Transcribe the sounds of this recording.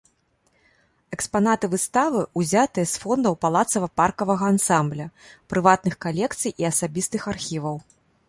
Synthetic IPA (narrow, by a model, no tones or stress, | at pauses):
ɛkspanat̪ɨvɨst̪avɨʔuzʲat̪ɨjɐsfɔnd̪ɐwpalˠat̪sɐvɐparkɐvɐɣɐːnsamblʲɐpɾɨvat̪̚nɨxkalʲɛkt̪sɨjiɐsabʲist̪ɨxarxʲivɐw